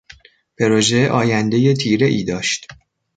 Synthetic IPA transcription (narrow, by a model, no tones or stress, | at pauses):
pʰe̞ɾoʒeʔɒːjænd̪e̞je̞t̪ʰiːɾe̞ʔiːd̪ɒːʃt̪